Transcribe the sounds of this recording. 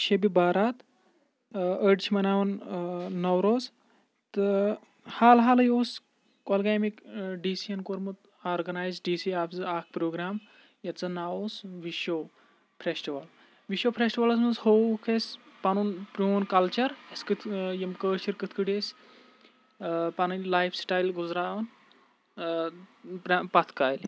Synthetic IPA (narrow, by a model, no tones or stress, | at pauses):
ʃebibaːɾaːt̪ | əɖt͡ʃʰimɐnaːʋɐnː | ɐwɾoːz | t̪ɨ | haːlɦaːlɐjoːs | kɔlɡajmikɖiːsijɐnkoɾmɨt̪ | aːɾɡɐnaːjzɖiːsiaːpʰzɨaːk̚ʰpɾoːɡɾaːm | jɐt̪t͡sɐnaːosʋiʃoː | pʰɾesʈiʋɐl | ʋiʃoːpʰɾesʈiʋɐlɐsmɐnzhoːkʰespɐnunpɾoːnkɐlt͡ʃɐɾɐskɨt̪ʰjɐmkəːʃiɾkɨt̪ʰkɨɽes | pɐnɨnlaːjfsʈaːjlɡuzɾaːon | pɾpɐt̪ʰkaːjl